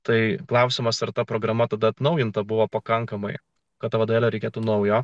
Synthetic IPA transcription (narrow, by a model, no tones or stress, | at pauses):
t̪ɐɪklˠɐʊsʲɪmɐsɐɾt̪ɐpɾoːɡɾɐmɐt̪ɐd̪ɐɐt̪nɐʊjɪnt̪ɐbʊʋoːpɐkɐŋkɐmɐɪ | kɐt̪t̪ːɐʋɐd̪oʋeːlʲɛɾʲɛɪkʲeːt̪unɐʊjoː